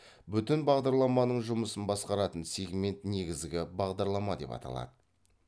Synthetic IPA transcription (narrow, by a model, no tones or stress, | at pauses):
bʏt̪ɪnbɑʁd̪ɑɾlˠɑmɑnəɴʒʊməsənbɑsqɑɾɑt̪ənse̞ɡme̞nt̪ne̞ɡʲɪzd̪ɪɡʲɪbɑʁd̪ɑɾlˠɑmɑd̪e̞̰pɑ̰t̪ʰɑ̰lˠɑ̰d̪ə